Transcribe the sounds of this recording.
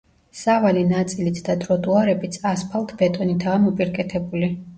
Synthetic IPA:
savalinat̪sʼilit̪ʰd̪ad̪ɾɔd̪ʼuaɾɛbit̪sʰaspʰalˠt̪ʰbɛt̪ʼɔnit̪ʰaːmɔpʼiɾkʼɛt̪ʰɛbuli

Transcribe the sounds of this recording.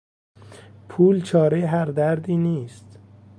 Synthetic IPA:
pʰuːlt͡ʃʰɒːɾejeɦæɾd̪æɾd̪iːniːst̪

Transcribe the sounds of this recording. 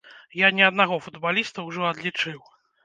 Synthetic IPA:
janʲɛɐd̪naɣɔfud̪balʲist̪ɐwʐɔɐd̪lʲit͡ʂɨw

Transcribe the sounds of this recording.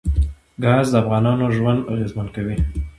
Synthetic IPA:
ɡɑzd̪əafɣɑnɑnoʒwand̪aɣezmankawi

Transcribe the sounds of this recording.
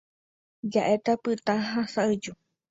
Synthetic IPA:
d͡ʒaʔet̪apɨt̪ãɦasaɨd͡ʒu

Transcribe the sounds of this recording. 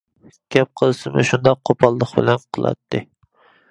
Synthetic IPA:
ɡ̥ʲɛp̚qʰəlˠɨsɨmɪʃund̪ɑq̚qʰopʰɑlˠːəχbɪlɛnqʰəlˠɑ̰t̪ʰːɨ

